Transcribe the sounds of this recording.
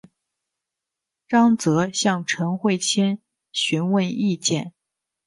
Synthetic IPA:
ʈ͡ʂɑ˥ŋt͡sɤ˧˥ɕjɑ˥˩ŋʈ͡ʂʰə˧˥nxwe˥˩ɪt͡ɕʰjɛ˥n | ɕy˧˥nwə˥˧ni˥˧t͡ɕjɛ̰˥˩n

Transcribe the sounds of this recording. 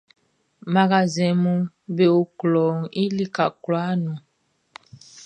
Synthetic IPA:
ma˨ɡa˨zɛ̃˨mu˦ | be˨o˨klɔ˨ŋi˦li˦ka˨kla˦nu˨

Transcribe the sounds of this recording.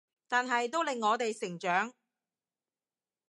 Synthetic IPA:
t̪aː˨nɦɐ˨jt̪̬o˥wlɪ˨ŋːɔː˨˧t̪e˨jsɪ˨˩ŋt͡ʃœː˨˥ŋ

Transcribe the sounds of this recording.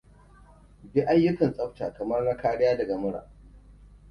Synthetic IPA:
bi˦ʔa˦jːʊ˦kɐ˨nsʼɐ˦ɸtaː˨kɐ˨mɐ˦rna˦kaː˦ɽɪ˦jaː˦dɐ˨ɡa˨mʊ˦ɽa̰ː˨

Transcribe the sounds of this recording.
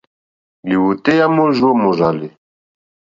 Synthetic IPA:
li˨wu˨t̪e˦ja˦mo˦ʒo˦mo˨ʒa˨li˨

